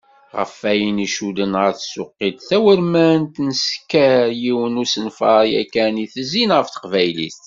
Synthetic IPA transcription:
ʁə̰fæjəniʃud̪ənʁəɾθsʊqːid̪θæwəɾmæənt̪nəskːæɾjiwənusənfɑɾˤjæ̰kːæniθəzinʁəfθə̥qvæjlḭst̪

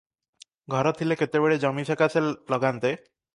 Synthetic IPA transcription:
ɡʱɔɾɔt̪ʰileket̪ebeɭed͡ʒɔmisʰekasʰellɔɡant̪e

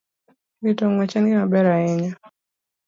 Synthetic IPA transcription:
litɔŋat͡ʃaŋɡimaɓɛɾaɛɲa

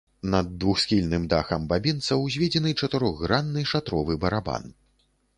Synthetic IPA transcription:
nɐd̪ːvuxsʲxʲilʲnɨmd̪axɐmbabʲint̪sɐwzʲvʲed͡zʲɛnɨt͡ʂɐt̪ɨɾɔɣːɾanːɨʂat̪ɾɔvɨbɐɾaba̰n

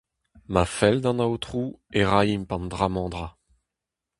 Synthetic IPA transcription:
mafɛld̪ɑ̃nawt̪χueʁajimpɑ̃ndʁamɑ̃d̪ʁa

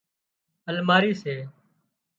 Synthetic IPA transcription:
əlmaːɾiːseː

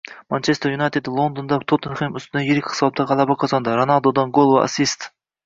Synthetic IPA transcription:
mɑnt͡ʃʰest̪junɑjt̪ʰed̪lˠond̪ond̪ɑt̪ʰot̪ʰɨnχemyst̪ʰɨd̪ɑjeɾɪkʲqʰɨ̥sɑp̚t̪ʰːɑʁɑlˠɑbɑqʰɑzɑnd̪ɨɾonɑlˠd̪od̪ɑnɡolˠva̰sist̪

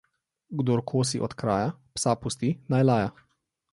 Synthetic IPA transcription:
ɡd̪oːɾkʰoːsiʔɔt̪kɾa̰ːjapsapust̪inajlaːja

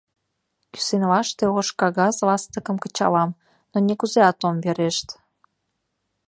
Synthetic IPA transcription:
ky̥senlɑʃt̪eoʃkɑɣɑzlɑst̪əkəmkət͡ɕɑ̰lɑm | nonekuzeɑt̪omβeɾeʃt̪

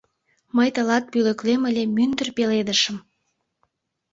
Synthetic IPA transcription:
məjt̪əlɑt̪̚pylə̆kleməlʲemynd̪ərpeled̪əʃəm

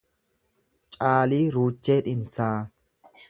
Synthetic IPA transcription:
t͡ʃʼaːliːɾuːt͡ʃːeːᶑɪnsaː

